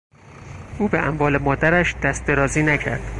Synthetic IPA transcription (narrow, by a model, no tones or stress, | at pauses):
ʔuːbeʔæmvɒːle̞mɒːd̪æɾæʃd̪̥æst̪eɾɒːziːnæcʰæ̰ɾd̪̥